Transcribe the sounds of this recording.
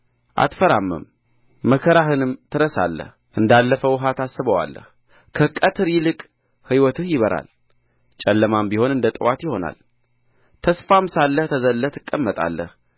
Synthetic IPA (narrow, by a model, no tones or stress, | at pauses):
ʔa̰t̪fəɾamːə̰mː | əkʰəɾaɦɨnɨmt̪ʰɨɾəsa̰lːə̰h | ʔɨnd̪alːəfəwɦat̪asːɨβəwa̰lːə̰h | kʰəkʼət̪ʰɨɾjɪlɨkʼ | hɨwɔt̪ʰɨhjɪβəɾʔa̰l | t͡ʃʼɛlːəmambiho̞nɨnd̪ət̪ʼɨwat̪jɪho̞na̰l | t̪ʰəsfamsalːəht̪ʰəzəlːət̪ʰɨkʼːəmːət̪ʼa̰lːə̰h